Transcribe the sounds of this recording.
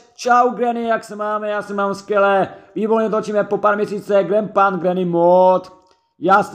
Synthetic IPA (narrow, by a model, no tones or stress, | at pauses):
t͡ʃawɡɾɛnɪjaksɛmaːmɛjaːsɛmaːmskʋjɛlɛːviːboɾɲɛt̪ot͡ʃiːmɛpopaːɾmjɲɛsiːt͡sɛɡɾɛmpanɡɾɛnɪmot̪ | jaːs